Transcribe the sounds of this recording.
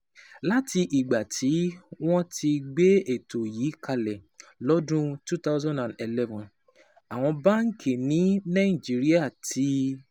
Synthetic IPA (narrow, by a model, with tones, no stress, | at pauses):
la˦ti˧ʔi˨ɡ͡ba˨tʰi˨˦w̃ɔ̃˦ti˧ɡ͡be˦e˦˨to˨jiː˨˦ka˧lɛ˨lɔ˨˦dũ˦tu˦ta˦ʊzɔ̃˦ndã˨n˨e˨lɛ˦vɔ̃˨n | a˨w̃ɔ̃˧ba˦ŋ̩˦kʰe˨nĩ˨˦nã˦˨i˨d͡ʒi˨˦ɾi˦a˦˨tʰi˦